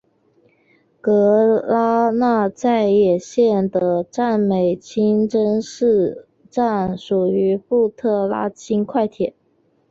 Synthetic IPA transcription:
kɤ˧˥la˥na˥˧t͡sa˥˧ɪjɛ˨˩ɕjɛ˥˩nd̪ə˩ʈ͡ʂa˥˩nme˨˩ɪt͡ɕʰi˥nʈ͡ʂə˥nʂɻ̩˥˧ | ʈ͡ʂa˥˩nʂu˨˩y˧˥fu˥˧t̪ʰɤ˥˩la̰˥t͡ɕʰi˥nkʰwa˥˩ɪt̪ʰjɛ˨˩˦n

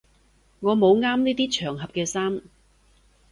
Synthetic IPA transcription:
ŋɔː˨˧mo˨˧wŋaː˥mniː˥t̪iː˥t͡ʃʰœː˨˩ŋɦɐ˨p̚kɛː˧saː˥m

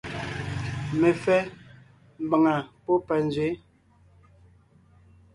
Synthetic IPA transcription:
me˨fɛ˦ | m˦ba˨ŋa˨pɔ˦pa˨n˨zɥe˨˦

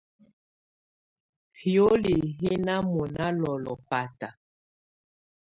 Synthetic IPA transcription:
hjo˦li˨ɦi˦na˦mɔ˨na˦lɔ˨lɔ̰˨pa˨ta˨

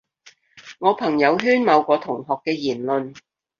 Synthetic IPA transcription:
ŋɔː˨˧pʰɐ˨˩ŋjɐ˨˧wɦyː˥nmɐ˨˧wkʷɔː˨˧t̪ʰʊ˨˩ŋɦɔː˨kːɛː˧jiː˨˩nlɵ˨˧n

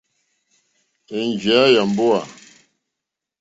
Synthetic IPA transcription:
e˨nd͡ʒe˨˦a˦ja˨mbo˦a˨

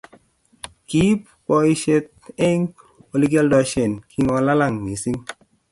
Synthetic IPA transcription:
ki˦p | kɔ˧i˦ʃe˦t̪̚e˦ŋ | o˨li˦ɡɛ˦ldɔ˨˧ʃɛ˨nkʰi˦ŋɔ˧la˦la˦˨ŋmi˨si˦ŋ

